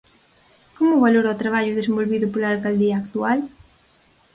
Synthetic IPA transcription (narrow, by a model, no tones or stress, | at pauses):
komʊβaloɾat̪ɾaβ̞aʎʊðes̬ẽmbolβiðʊpolalkald̪iaːkt̪ual